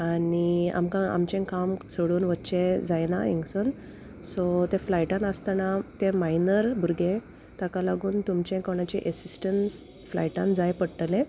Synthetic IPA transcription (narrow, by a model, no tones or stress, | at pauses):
ania̰mkãa̰mt͡ɕẽkamsoɽuːnʋətːt͡ɕed͡zajna̰ḛ̃ŋɡson | sɔt̪eflajʈãnəst̪anat̪emainəɾbʱuɾɡe | t̪akalaɡuːnt̪umt͡ɕẽkoɳ̃at͡ɕeʔəsisʈəns | fla̰jʈãnd͡zajpəɽʈlẽ